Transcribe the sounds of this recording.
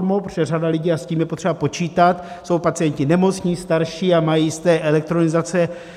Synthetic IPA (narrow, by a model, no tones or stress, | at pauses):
mopr̥ɛradalɪɟiːasciːmjɛpot̪r̥ɛbapo̞t͡ʃiːt̪at̪so̞wpat͡sɪjɛncɪnɛmo̞t͡sɲiːst̪aɾʃiːamajiːst̪ɛːʔɛlɛk̚t̪ɾo̞nɪzat͡sɛ